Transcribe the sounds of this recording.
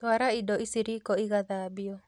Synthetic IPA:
t̪waɾaidɔisiɾikɔiɣaðabiɔ

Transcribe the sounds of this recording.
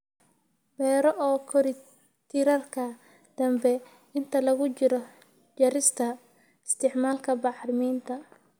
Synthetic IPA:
bɛːɾɔʔɔːkʰɔɾɪ | t̪ʰɪɾɐrkʰɐ | d̪̥ɐmbɛ | ɪnt̪ʰɐlɐɣʊt͡ʃɪɾɔ | t͡ʃɐɾɪst̪ʰɐ | ɪst̪ʰɪʕmaːlkʰɐbɑħɾɪmiːnt̪ʰɐ

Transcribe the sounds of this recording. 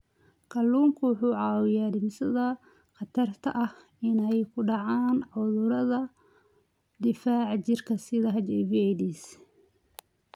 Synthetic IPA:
kʰɐlːuːŋkʰʊwʊħuːʕɑːwɪjaːd̪ɪmsɐðɐ | qɑt̪ʰɐrt̪ʰɐ̰ʔɐh | ɪnɛjkʰʊɖɑʕaːnʕʊðʊɾɐðɐ | d̪ɪfaːʕt͡ʃɪrkʰɐsɪðɐɦɐd͡ʒɛvɛjðiːs

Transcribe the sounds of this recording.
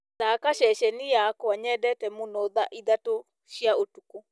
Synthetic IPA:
takaʃɛʃɛnijakwaɲɛdɛtɛmonoðaʔiðato | ʃjaotuko

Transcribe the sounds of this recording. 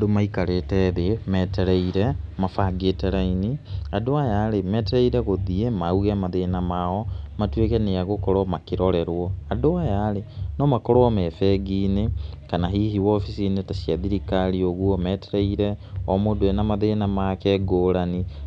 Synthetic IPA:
domaikaɾetɛðemɛtɛɾɛiɾɛmafaɡeːtɛɾainiadoajaɾemɛtɛɾɛiɾɛɣoðiemauɣɛmaðenamaɔmatwekɛneaɣokɔɾɔmakiɾɔɾɛɾwɔadoajaːɾenɔmakɔɾɔamɛfɛɡinekanaɦiːhiwɔfisinetasiaðiɾikaɾioɣwɔmɛtɛɾɛiɾɛɔmodoɛnamaðenamakɛɡoːɾani

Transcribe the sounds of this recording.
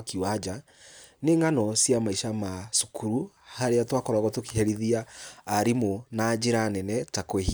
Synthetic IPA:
kiwad͡ʒa | neŋanɔsjamaiʃamasukʰuɾu | haɾeatwakɔɾaɣɔtoki̥ɦɛɾiðiaːɾimonad͡ʒeɾanɛnɛtakweh

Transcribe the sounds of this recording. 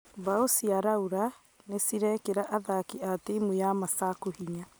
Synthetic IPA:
baosiaɾauɾa | nesiɾɛkeɾaʔaðakiateimujamasakohiɲa

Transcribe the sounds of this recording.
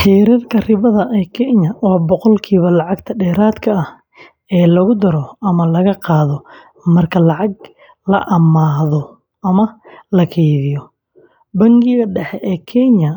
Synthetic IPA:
ħiːɾɐrkʰɐrɪβɐðɐʔɛːkʰɛɲɐwɔːbɔqɔlkʰiːβɐlɑʕɑɡt̪ʰɐɖɛːɾaːd̪kʰɐɐh | ɛːlɐɣʊd̪ɐɾɔʔɐmɐlɐɣɐqɑːðɔ | mɐrkʰɐlɑʕɑɡ̚ | lɐ̰ʔɐmaːðɔ | ʔɐmɐlɐkʰɛjðɪjɔ | bɐŋɡɪɣɐɖɛħɛʔɛːkʰɛɲɐ

